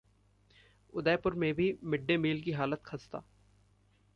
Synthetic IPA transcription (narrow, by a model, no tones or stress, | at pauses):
ʊd̪ɛːpʊɾmẽbʱimɪɖːemiːlk̬iɦaːlət̪kʰɐst̪a̰ː